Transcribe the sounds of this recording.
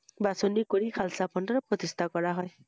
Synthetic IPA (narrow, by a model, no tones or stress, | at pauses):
basonikoɾikʰalsapʰʌnʌɾʌprʌt̪ist̪ʰakʌɾaɦɔj